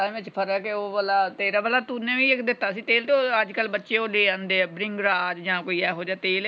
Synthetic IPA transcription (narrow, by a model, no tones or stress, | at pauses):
ẽʋɪt͡ʃpʰəɾɛkeoːbəlaːt̪eːɾaːbəlaːt̪uːnẽːʋĩːɪkd̪ɪt̪ːaːsĩːt̪eːlt̪eoːəd͡ʒkəlbətːʃeːoːleːãːnd̪eːɛːbɾɪ̃ŋɡɾaːd͡ʒd͡ʒãːkoːiːɛːɦoːd͡ʒaːt̪eːl